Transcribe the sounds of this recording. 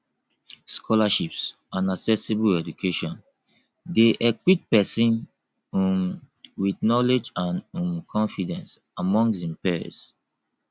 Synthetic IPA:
skʰɔlaʃips | ãnaksɛsebuɛd͡ʒukʰeʃɔ̃n | deʔɛkwit̚pɛsĩn | wiθnɔled͡ʒãnũmkʰɔ̃nfidɛ̃ns | amɔ̃ŋsĩmpɛ̰s

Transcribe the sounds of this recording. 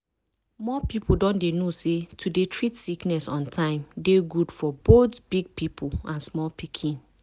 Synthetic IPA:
mɔpipʰudɔ̃ndenosetʰudetʰɹitsiknɛsɔ̃ntʰãɪ̃mdeɡudfɔbotbiɡ̚pipʰulãnsmɔlpikʰĩn

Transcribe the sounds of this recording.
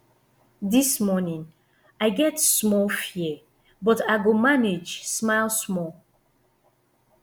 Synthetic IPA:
dismɔnĩŋ | ajɡɛtsmɔlfjɛ | bɔtajɡomaned͡ʒsmaɪlˠsmɔl

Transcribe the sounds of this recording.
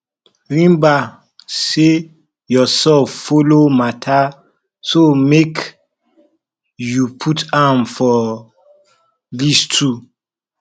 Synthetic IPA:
ɹĩmba | se | jɔsɛlffolomatʰa | somek | jupʰutãmfɔ | listʰu

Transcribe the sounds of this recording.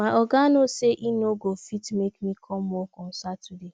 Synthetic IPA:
maʔɔɡanoseʔinoɡofitmekmikʰɔm̩ːokʊn̩satude

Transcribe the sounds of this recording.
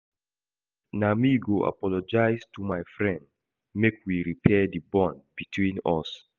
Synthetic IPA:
namiɡoʔa̰pɔlɔd͡ʒaɪstʰumajfɹɛ̃nd | mekwiɹipʰɛdibɔ̃nbitʰwĩnɔs

